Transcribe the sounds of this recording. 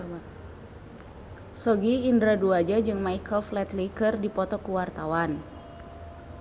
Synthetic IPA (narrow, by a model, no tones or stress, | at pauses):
sɔɡiːndɾaduad͡ʒad͡ʒɨŋmajkəlflɛt̪likɨrdipɔt̪ɔkuwart̪awan